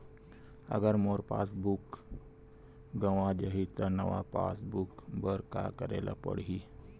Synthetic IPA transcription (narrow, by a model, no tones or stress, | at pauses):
ə̰ɡəɾmoɾpa̰sbuk | ɡəʋad͡ʒəɦit̪əɾnəʋa̰pa̰sbukbəɾka̰kəɾalapə̰ɽɦi